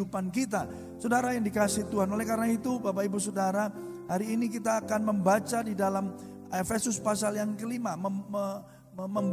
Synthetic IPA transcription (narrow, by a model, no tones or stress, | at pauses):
upankit̪a | sodaɾajaŋdikasɪht̪uɦanolɛhkaɾənait̪ubapaibus̬odaɾa | haɾiːnik̬it̪aːkanməmbat͡ʃadidalam | efesʊspasaljaŋkəlimamə | məmb